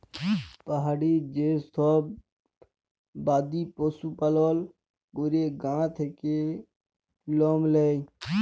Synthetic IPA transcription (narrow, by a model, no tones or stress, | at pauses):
pəɦaːɽiːd͡ʒeːst̪ʰoː | baːd̪iːpoːsuːpəloːl | ɡʊɾeːɡãːt̪ʰekeː | loːmleːi